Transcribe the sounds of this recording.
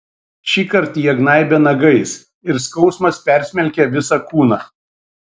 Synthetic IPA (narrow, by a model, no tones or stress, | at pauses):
ʃʲiːkɐɾt̪ijɛɡnɑɪbʲɛnɐɡɐɪs | ɪɾskɒʊsmɐspʲæɾʲsʲmʲɛlʲkʲɛʋʲɪsɑkuːnɑː